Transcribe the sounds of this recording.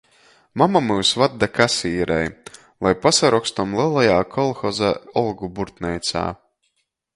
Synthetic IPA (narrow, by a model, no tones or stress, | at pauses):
mamamɨwsvad̪ːakasiːɾɛ̰j | lˠajpasaɾɔkst̪amlˠiɛlˠajaːkʰɔlˠxɔzaɔlˠɡubuɾt̪nɛjt̪sa̰ː